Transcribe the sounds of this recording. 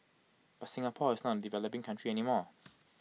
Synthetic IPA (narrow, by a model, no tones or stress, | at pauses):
b̥atsɪ̃ŋəpʰɔːɪznətə̃nədivɛləpɪ̃ŋkʰãnt͡ʃɹiɛnimɔː